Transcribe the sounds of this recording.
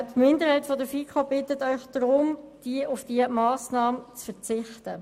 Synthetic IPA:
tmɪndəɾhaɪtfɔdəfikʰobɪtətœʏxd̥ɾʊmd̥iʔʊfd̥iəmɑːsnɑːmət͡sfət͡sɪχtə

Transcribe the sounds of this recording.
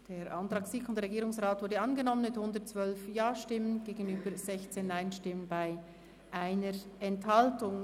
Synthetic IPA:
d̥eːɾʔantɾɑːksɪkʊndʁeɡiːʁɾʊŋsʁaːtv̥ʊɾdəɑnɡənɔmənmɪthʊndətt͡svœlfjaːʃtɪmənɡ̥eːɡənyːbəɾzɛçt͡seːnːaɪnʃtɪmənbaɪ | ʔaɪnəɾɛnthɑltʊŋ

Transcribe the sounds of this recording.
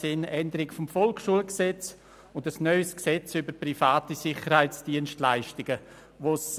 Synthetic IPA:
sɪnʔɛndəɾɪɡəfɔmfɔlkʃuəlksɛt͡s | ʊndəsnœʏsksɛt͡sybəɾpɾifaːtisɪχəɾhaɪt͡sd̥iənʃtlaɪʃtɪɡ̥ə | ʋos

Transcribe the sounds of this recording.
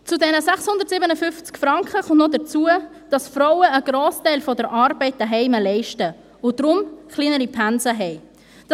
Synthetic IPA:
t͡sudɛnəsɛχshʊndəɾtsiːbənəfʏft͡skfɾɑŋkχəχʊntnɔdət͡suə | d̥ɑsfɾɔʊəːɡ̥ɾoːstɛɪlfɔdəɾʔɑːɾbɛɪt̚d̥əɦɛɪməlɛɪʃtə | ʊd̥ɾʊmχliːnəɾipʰænzəɦɛɪ | d

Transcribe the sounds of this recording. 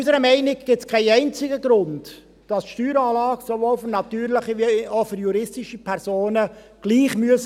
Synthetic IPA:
ysəɾəmɛɪnɪɡɡ̥ɪtskʰɛɪɛɪnt͡sɪɡəɡɾʊnd | d̥ɑsʃtyːɾɑːlɑːɡ̥sovoːlfyɾnɑtyːɾlɪχiʋiofyɾjuɾɪstɪʃipʰɛɾsoːnə | ɡ̥liːχmyəs

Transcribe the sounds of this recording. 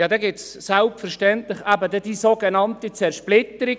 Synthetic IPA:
jɑːd̪ɛɡɪtssælpfɛɾʃtɛntlɪχæbədɛdisoɡenɑntit͡sɛɾʃplɪtəɾi

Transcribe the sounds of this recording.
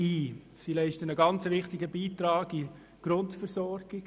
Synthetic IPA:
iː | silɛɪʃtənəɡɑnt͡səʋɪχtɪɡəbiːtɾɑːɡi | ɡ̥ɾʊntfəɾsɔɾɡ̥ɪɡ

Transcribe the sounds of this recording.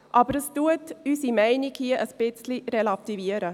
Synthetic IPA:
ʔɑːbəɾəstuətysimæɪnikhiəʔəspɪt͡sliɾɛlɑt̪iviəɾə

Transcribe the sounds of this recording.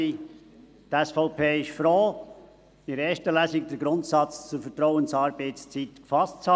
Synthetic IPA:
i | tɛsfɔʊpʰeːɪʃfɾoː | ɪɾeːʃtəlæːsɪɡ̚dɛɾɡɾʊntsɑt͡st͡sʊfətɾɔʊənsɑːɾbeɪtst͡sit̪kfɑstt͡shɑ

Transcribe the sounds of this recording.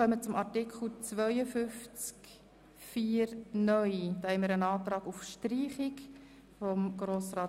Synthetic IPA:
œmət͡sʊmʔɑɾtɪkʰl̩t͡svœʏəfʏft͡sk | fiːɾnœʏd̪ɑhɛməɾənɑːtɾɑːɡufʃtriːχɪk | fɔmɡ̥ɾoːsrɑː

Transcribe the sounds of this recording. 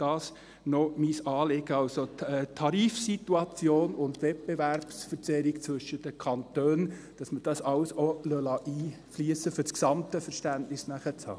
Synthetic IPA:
d̥ɑːs | nɔmisɑːlɪɡəɑlsotʰɛt̪ʰːɑɾiːfsit̪uɑt͡sjoːnʊntvɛt̚b̥evæɾpsfəɾt͡sɛɾikt͡svʏʃːədəkʰɑntøːn | d̥ɑsməd̥ɑsɑwsolœlɑʔiː | fliəsəfʏɾsksɑmtəfəɾʃtæntnɪsnæχət͡shɑ̰ː

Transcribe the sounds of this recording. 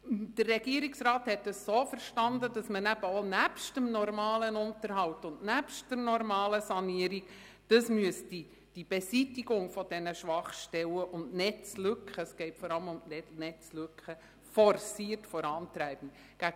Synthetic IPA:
d̥ərːɛɡ̥iəɾiksrɑːthɛt̚dəssoːfəɾʃtɑndədɑsmənæb̥əonæpʃtəmnɔɾmɑːlənʊntəɾɦɑwtʊndnæpʃtdəɾnɔɾmɑːləsɑniəɾik | d̥ɑsmyəsti | d̥ib̥esitiɡʊŋfɔd̥ɛnəʃʋɑχʃtɛləʔʊndnɛt͡slʏkχəsɡ̥ɛɪtfɔɾɑləmʊmnɛnɛt͡sløkχə | fɔɾsiːətfɔɾɑːntɾæɪb̥n̩ | ɡ̥æ

